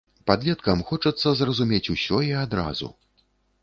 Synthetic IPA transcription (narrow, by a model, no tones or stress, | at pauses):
pad̪lʲɛt̪kɐmxɔt͡ʂɐt̪sːɐzrɐzumʲet͡sʲusʲɔiad̪ɾa̰zṵ